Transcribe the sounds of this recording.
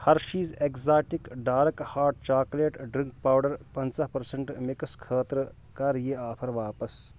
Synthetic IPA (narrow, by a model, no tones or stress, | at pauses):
hɐɾʃiːzekzaːʈikɖaːɾɐkhaːɾʈ̚t͡ʃaːkleːʈɖɾiŋk̚paːwɖɐɾpɐnt͡sɐpɐɾsɐɳʈmikɐskʰəːt̪ɾ | kɐɾjeaːpʰɐɾʋaːpɐs